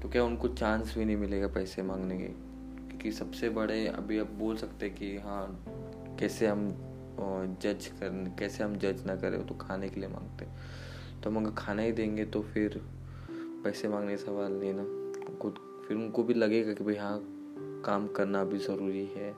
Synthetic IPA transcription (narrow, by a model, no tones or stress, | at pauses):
t̪okjaːʊnkot͡ʃãːnsbʱinɐ̃ɦĩmɪleːɡapɛːsemãːŋɡnekḛ | okjõːkisɐbsebɐɽeɐ̰bʱiɐb̚boːlsɐkt̪eɦɛ̃kijɐɦã | kɛːseɦɐm | d͡ʒɐd͡ʒkɐɾkɛːseɦɐmd͡ʒɐd͡ʒnɐkɐɾḛ̃ːot̪okʰaːnekeliemã̰ːŋɡt̪eɦɛ̃ | t̪oɦɐmɐɡəɾkʰaːnaɦid̪ẽːŋɡet̪ofɪɾ | pɛːsemãːŋɡnekasɐʋaːlnɦĩna | kʊ | fɪɾʊnkobʱilɐɡeɡakibjɦã | kaːmkɐɾnabʱizɐɾuːɾiɦɛː